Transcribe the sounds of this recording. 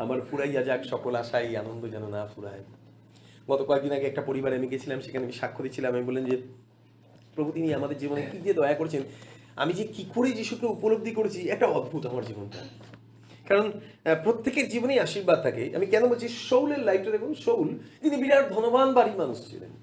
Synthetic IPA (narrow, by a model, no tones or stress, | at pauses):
amaɾfuɾajad͡ʑakʃɔkolaʃaja̰nond̪od͡ʑɛnonafuɾa̰e | ɡɔt̪okɔek̚d̪inaɡeɛk̚ʈapoɾibaɾeamiɡet͡ɕʰilamʃekʰaneamiʃakʰːod̪it͡ɕʰilamamibolːlend͡ʑe | pɾobʱut̪inieamad̪eɾd͡ʑibonekid̪ied̪ɔeakoɾet͡ɕʰen | a̰mid͡ʑekikʰuɽed͡ʑiʃukeupolob̚d̪ʱikoɾet͡ɕʰiɛk̚ʈaɔd̪ʱbʱut̪amaɾd͡ʑibonta̰ | kaɾonpɾot̪ʰːekeɾd͡ʑibonejaʃiɾbad̪̚t̪ʰakeʔa̰mikɛnobolt͡ɕʰiʃowleɾlajpʈad̪ɛkʰunʃowld͡ʑ̪inibiɾaɾd̪ʱonobanbaɾimanuʃt͡ɕʰḭlḛn